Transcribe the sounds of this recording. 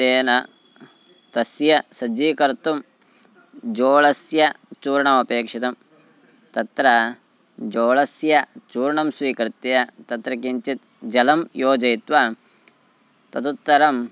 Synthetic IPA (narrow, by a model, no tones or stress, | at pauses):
t̪eːnɐ | t̪ɐsjɐsɐd͡ʒiːkɐɾt̪um | d͡ʒoːɭɐsjɐt͡ʃuːɾɳɐmɐpeːkʂit̪ɐm | t̪ɐt̪ɾɐ | d͡ʒoːɭɐsjɐt͡ʃuːɾɳɐmsʋiːkɐɾt̪ɐjɐt̪ɐt̪ɾɐkiɲt͡ʃit̪ | d͡ʒɐlɐmjoːd͡ʒɐjit̪ʋɐ | t̪ɐt̪ut̪ːɐɾɐm